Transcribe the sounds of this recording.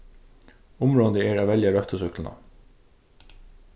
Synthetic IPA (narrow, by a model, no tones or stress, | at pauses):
ʊmɾoːd̪əɛːɾaːʋɛljɑɾœft̪əsʏklnɑ̰